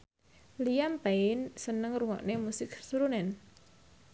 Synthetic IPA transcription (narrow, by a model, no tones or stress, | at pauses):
lijampaɪnsənəŋɾuŋɔ̰ʔnemusɪksuɾunɛn